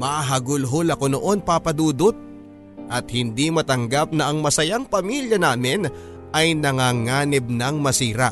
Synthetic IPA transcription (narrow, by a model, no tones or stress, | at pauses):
maɦɐɡʊlɦolɐko̞no̞ʔo̞npapɐd̪uːd̪ot̪̚ | ʔɐt̪̚hɪnd̪imɐt̪ɐŋɡap̚nɐʔɐŋmɐsɐjaŋpɐmiljɐnaːmɪn | ʔɐjnɐŋaŋaːnɪb̚nɐŋmɐsiːɾa̰